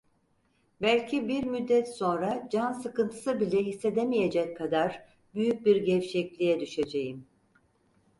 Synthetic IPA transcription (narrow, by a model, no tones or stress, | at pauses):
bælʲcʰibiɾmyd̪ːɛt̪so̞nɾad͡ʒansɯkɯnt̪ʰɯ̥sɯbilʲɛɦisːe̞d̪emijed͡ʒɛcʰːad̪aɾ | byjyc̚biɾɟɛfʃɛclʲijɛd̪yʃed͡ʒejim